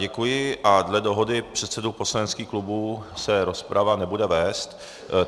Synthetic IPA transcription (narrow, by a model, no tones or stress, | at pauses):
ɟɛkujɪʔadlɛdo̞ɦo̞dɪpr̥ɛt̪sɛdupo̞slanɛt̪skiːxklubuːsɛɾo̞spɾʔavanɛbudɛvɛːst̪